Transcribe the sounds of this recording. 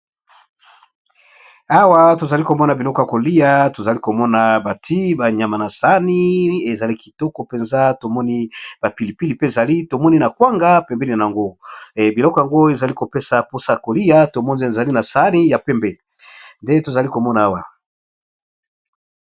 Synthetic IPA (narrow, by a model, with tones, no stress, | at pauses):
a˦wa˦to˨za˨li˦ko˨mɔ˦na˨bi˨lɔ˦kɔ˨ja˨ko˨li˦a˦to˨za˨li˦ko˨mɔ˦na˨ba˨tʰi˦ba˨ɲa˨ma˨na˨sa˨˦ni˦e˨za˨li˦ki˨tɔ˦kɔ˨pe˨nza˦to˨mɔ˦ni˦b̥a˨pi˨li˨pi˦li˨pe˦e˨za˨li˦to˨mɔ˦ni˦na˨kwa˦ŋɡa˦pɛ˨mbɛ˦li˨na˨a˨ŋɡo˦˨bi˨lɔ˦kɔ˨a˨ŋɡo˦e˨za˨li˦ko˨pe˦sa˨po˦sa˦ja˨ko˨li˦ja˦to˨mɔ˦nzza˨li˦na˨sa˨˦ni˦ja˨pɛ˦mbɛ˨ | nde˦to˨za˨li˦ko˨mɔ˦na˨a˦wa˨